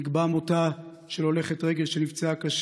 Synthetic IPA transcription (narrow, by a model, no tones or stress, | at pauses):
ikbamo̞ta | ʃelole̞χetʁe̞ɡe̞lʃenivt͡seakaʃ